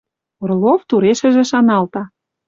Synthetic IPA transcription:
orloft̪uɾeʃə̆ʒĕʃɑnɑlt̪ɑ

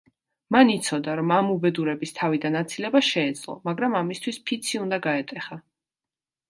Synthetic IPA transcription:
manit̪sʰɔd̪aɾɔmamubɛd̪uɾɛbist̪ʰavid̪anat̪sʰilɛbaʃɛːd̪z̥lˠɔ̰maɡɾamamist̪ʰwispʰit̪sʰiund̪aɡaɛt̪ʼɛχa

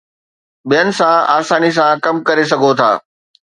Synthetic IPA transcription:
ɓijənɪ̆sãaːsaːnis̬ãkɐmkɐɾes̬ɐɡʱot̪ʰa̰ː

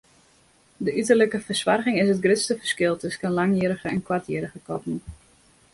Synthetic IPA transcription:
dəytərləkəfərsʋarɣɪŋɪsət̚ɡrɪtstəfərskɪlˠtɵskənlaŋjəəɾəɣəɛnkwartjəːɾəɣəkɔpnə

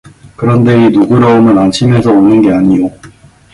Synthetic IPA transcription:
kɯɾʌnde̞inuɡuɾʌomjʌnanɕʰime̞sʰʌonɯnɡe̞aɲijo

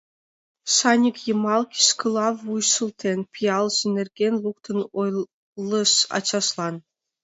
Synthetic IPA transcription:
sɑnʲikjɤ̆mɑlˠkʲi̥skɤlˠɑvːujʃɤ̆lˠt̪ʲʰenʲpʲijɑlˠʑɘ̆nʲɘ̆rʲɡʲenʲlˠuk̚t̪ɤ̆noj | lˠɤ̆ʃɑ̰t͡ɕɑʃlˠɑn

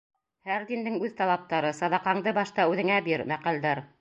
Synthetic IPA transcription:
hæɾd̪ind̪ɘŋʉðt̪ɑlˠɑp̚t̪ɑɾɤsɑðɑqɑɴd̪ɤbɑʃt̪ɑʉðɘ̆ŋæbiɾmæqæld̪æɾ

